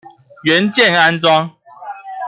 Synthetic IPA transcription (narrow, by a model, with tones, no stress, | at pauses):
ɥɛ˨˦nt͡ɕjɛ˥˨na˦nt͡swɑ˦ŋ